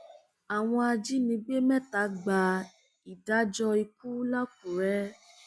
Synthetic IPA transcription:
a˨w̃ɔ̃˧a˧d͡ʒi˦nĩ˧˦ɡ͡be˦mɛ̃˦ta˨˦ɡ͡ba˧ | i˨da˨˦d͡ʒɔ˧i˧ku˦la˦k̚u˨ɾɛ˦

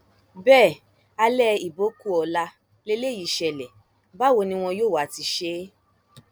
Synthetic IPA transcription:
bɛː˦˨ | a˧lɛ˦˨i˨bo˨˦ku˦ɔ˧la˧ | le˦le˦˨ji˨ʃɛ˨lɛ˨ | ba˦˨wo˧nĩ˧w̃ɔ̃˧joː˦˨wa˨ti˧ʃe˧˦

